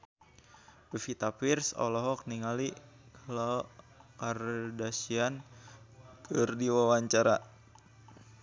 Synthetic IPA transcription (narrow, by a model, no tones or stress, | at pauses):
bəfit̪apirsɔ̰lɔɦɔk̚niŋali | klɔ | kardasian | t̪ɨrdiwawaɲt͡ʃaɾa